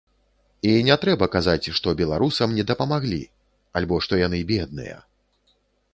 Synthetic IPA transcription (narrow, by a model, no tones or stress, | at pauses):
inʲɛt̪ɾɛbɐkazat͡sʲʂt̪ɔbʲɛlˠaɾusɐmnʲɛd̪ɐpɐmaɣlʲḭ | alʲbɔʂt̪ɔjan̪ɨbʲɛd̪̚nɨ̰jɐ̰